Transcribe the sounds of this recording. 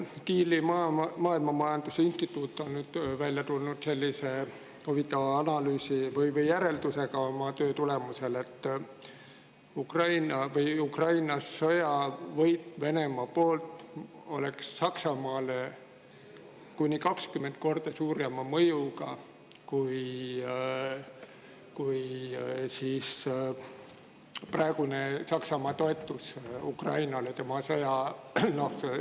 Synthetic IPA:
kiːlimɑmɑːilmɑmɑjɑnd̪usinst̪it̪ːˑut̪ˑːo̞nnyːd̪̥vælʲjɑt̪ulnud̪̥se̞lʲːise | hovit̪ːˑɑvɑɑnɑlyːsivɯjvɯjːæɾe̞ld̪̥use̞ɡɑomɑt̪øːt̪ule̞muse̞le̞t̪ˑː | ukrɑjnɑvɯjukrɑjnɑsːo̞jɑvɤjt̪ːve̞ne̞mɑpo̞ːlt̪ˑ | o̞̰le̞ksːɑksɑmɑːle | kunʲːikɑkskymːed̪̥̚ko̞rd̪̥ɑsuːɾjɑmɑmɤjuɡ̥ɑ | kuj | kujsiːs | prɑeɡ̥unesɑksɑmɑːt̪o̞et̪ˑːusukrɑ̰jnɑlet̪e̞mɑsojɑno̞hse

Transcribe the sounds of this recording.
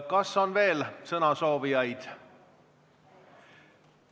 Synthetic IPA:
kɑsːo̞nve̞ːlsɤnɑso̞ːvijɑjd̪̥

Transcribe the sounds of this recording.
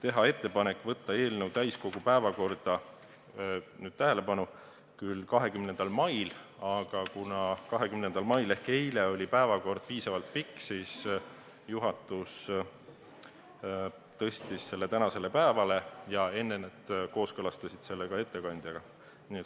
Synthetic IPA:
t̪e̞ɦɑe̞t̪ːe̞pɑne̞kːˑvɤt̪ːɑe̞ːlnewt̪æjsko̞ɡ̥upæevɑko̞rd̪̥ɑ | nyːd̪̥̚t̪æɦe̞le̞pɑnu | kylːkɑɦe̞kymne̞nd̪̥ɑlmɑjlɑɡ̥ɑkunɑkɑɦe̞kymne̞nd̪̥ɑlmɑjle̞hke̞jleo̞lʲipæevɑko̞rd̪̥̚piːsɑvɑlt̪̚pikːsis | juɦɑt̪ˑus | t̪ɤ̞sʲt̪isːe̞lːet̪ænɑse̞le̞pæevɑle̞jɑe̞nːe̞ned̪̥ko̞ːskɤlɑst̪ɑsʲid̪̥se̞lːe̞ɡ̥ɑe̞t̪ːe̞kɑnʲd̪̥jɑɡ̥ɑ | niːet̪

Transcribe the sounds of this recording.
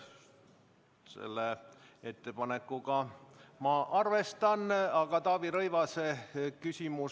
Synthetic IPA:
sḛlːee̞t̪ːe̞pɑne̞kːuɡɑmɑʔɑrve̞st̪ɑnɑɡɑt̪ɑːviɾɤjvɑsekysʲimus

